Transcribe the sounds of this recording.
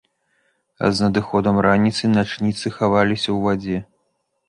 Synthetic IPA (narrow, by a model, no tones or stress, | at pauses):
ɐ̰znɐd̪ɨxɔd̪ɐmɾanʲit̪sɨnat͡ʂnʲit̪sɨxavalʲisʲɐwvad͡zʲɛ